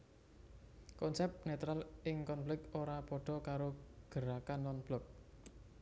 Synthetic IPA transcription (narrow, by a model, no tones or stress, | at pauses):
kɔnsɛp̚net̪ɾalɪŋkɔnflɪkoɾapɔɖ̥ɔ̤kaɾoɡ̥əɾakanːɔnb̥lɔk̚